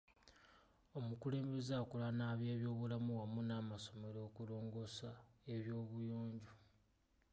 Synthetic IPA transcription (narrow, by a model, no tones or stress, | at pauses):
o̞mukule̞ːmbe̞zaːkulanaβje̞ːβjo̞ːβulamuwamunaːmaso̞me̞ɾo̞ːkulo̞ːŋɡo̞sae̞βjo̞ːβujoːɲɟu